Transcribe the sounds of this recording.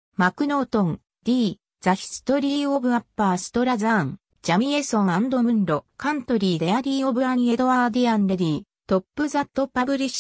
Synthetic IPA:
makɯ̟no̞ːt̪õŋ | d̪̥ʲiː | zaçʲi̥sɨ̥t̪o̞ɾʲiːobɯ̟apːaːsɨ̥t̪o̞ɾazaŋ | d͡ʑamʲie̞sõ̞ŋ̃ãnd̪omɯ̟̃nɾo̞kãnt̪o̞ɾʲiːd̪eaɾʲiːobɯaɲie̞d̪o̞ad̪ianɾeɾʲiː | t̪o̞pːɯ̟zat̪ːopːabɯ̟ɾʲiɕ

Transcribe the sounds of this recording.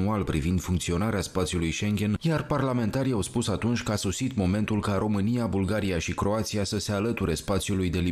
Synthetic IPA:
ualpɾḭvind̪fuŋkt̪sio̞naɾeaspat̪siulujʃe̞ŋɡʲe̞njarparlame̞nt̪aɾiawspusat̪unt͡ʃʲkəasosit̪mo̞me̞nt̪ulkaɾo̞mɨnijabulɡaɾiaʃikɾo̞at̪siasəse̞alət̪uɾe̞spat̪siulujd̪e̞li

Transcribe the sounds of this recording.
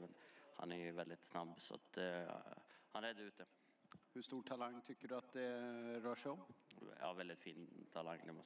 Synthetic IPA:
mɛnhɑ̰næɾjʊvɛld̪ɪt̪snɑbːsɔ̰t̪ | hɑnɛd̪ɛʉːt̪ːə | hɵʂt̪uːʈʰalaŋːt̪ʰʏkːəɖɵat̪̚d̪ɛɾœːʂɛɪɔmjɑ̰ːvɛld̪ɪt̪fiːnt̪ʰːalaŋːd̪ɛmɔ

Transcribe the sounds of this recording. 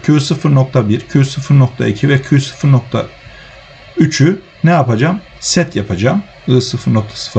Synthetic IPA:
cʰysɯfɯɾnok̚t̪ʰabiɾcʰysɯfɯɾno̞k̚t̪ʰa̰icʰivɛcʰysɯ̥fɯɾnok̚t̪ʰa̰ | yt͡ʃʰy | nɛjapad͡ʒam | sɛt̪ʰjapʰad͡ʒaːm | ɯːsɯfɯɾnok̚t̪ʰḁsɯ̥fɯ

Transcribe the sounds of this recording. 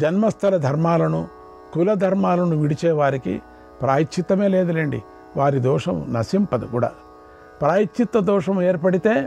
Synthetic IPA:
d͡ʒɐnmɐst̪ʰɐlɐd̪ʱɐɾmaːlɐnu | kulɐd̪ʱɐɾmaːlɐnuʋiɽit͡ʃɛːʋaːɾikḭ | pɾaːjit͡ʃt͡ʃʰːʃit̪ːɐme̞ːleːd̪ɐlɐɳɖḭ | ʋaːɾid̪ɔːʂɐmnɐsimpɐd̪ukuːɽa̰ː | pɾaːjit͡ʃit̪ːɐd̪ɔːʂɐmeːɾpɐɽit̪e̞ː

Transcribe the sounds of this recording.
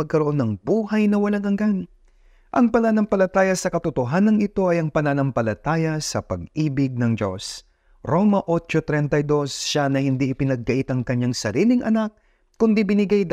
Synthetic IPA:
ɐɡ̚kɐɾoʔo̞nːɐŋbuːhɐjnɐwɐlaŋɐŋɡan | ʔɐŋpɐnanɐmpɐlɐt̪aːjɐsɐkɐt̪ot̪oɦanɐŋɪt̪o̞ʔɐjɐŋpɐnanɐmpɐlɐt̪aːjɐsɐpɐɡ̚ʔiːbɪɡ̚nɐŋd͡ʒo̞s | ɾo̞mɐʔo̞t͡ʃo̞t̪ɾɛnt̪ɐjd̪o̞sʃanɐhɪnd̪iʔɪpɪnɐɡ̚ːɐʔɪt̪ɐŋkɐɲːaŋsɐɾiːlɪŋʔɐ̰nak̚ | kʊnd̪ibɪnɪɡajd̪

